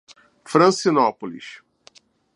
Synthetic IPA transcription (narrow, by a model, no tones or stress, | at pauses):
fɾɐ̃sinɔpolḭʃ